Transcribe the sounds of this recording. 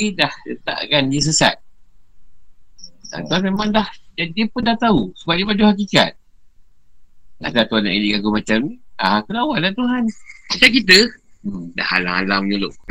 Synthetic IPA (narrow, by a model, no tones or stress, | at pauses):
idahdət̪a̰ʔkanjəs̬əsa̰t̪̚ | a̰t̪uɦanmemãŋdahdadiəpʊndaht̪ausubaʔ̚dibaduhak̬ika̰t̪̚ | a̰dat̪uɦana̰ʔidiɡaɡumat͡ʃamniaakunawaʔdat̪uɦanlakit̪̬ə | da̰ha̰la̰a̰lamɲuloʔ